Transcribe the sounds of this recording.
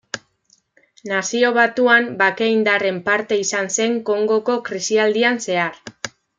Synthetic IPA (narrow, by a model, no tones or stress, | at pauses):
nasio̞β̞at̪uambake̞ind̪are̞mpaɾt̪e̞isanse̞ŋko̞ŋɡo̞ko̞kɾisiald̪ianse̞aɾ